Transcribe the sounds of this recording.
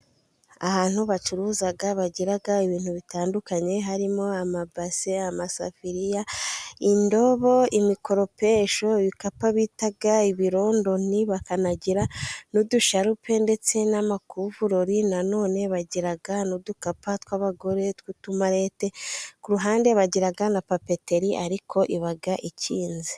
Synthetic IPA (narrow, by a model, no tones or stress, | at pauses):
a̰haːn̥huβat͡ʃuɾuːzaɡaβaɟiɾaɡaiβiːnhuβitaːndukaɲe̞ɦaɾimo̞amabaseamasa̰fiɾijaindo̞βo̞imiko̞ɾo̞pe̞ʃo̞βikapaβitaɡaiβiɾo̞ːndo̞n̥iβakanaɟiɾanuduʃaɾupʰe̞nde̞t͡se̞namakuvuɾoɾinano̞ːne̞βaɟiɾaɡanudukapatwaːβaɡo̞ɾe̞twutumaɾe̞ːte̞kuɾuɦaːnde̞βaɟiɾaɡanapapete̞ɾiʔaɾikʰo̞ʔiβaɡaʔiciːnzi